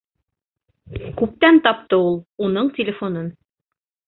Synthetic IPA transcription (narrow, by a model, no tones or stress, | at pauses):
kʉp̚t̪ænt̪ɑp̚t̪ɤulˠunɤɴtʲɪlʲɪfonɤn